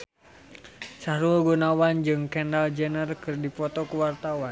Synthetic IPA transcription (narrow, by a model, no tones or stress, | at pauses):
sahɾulɡunawand͡ʒɨŋkɛndald͡ʒənərkɨrdipɔt̪ɔkuwart̪awan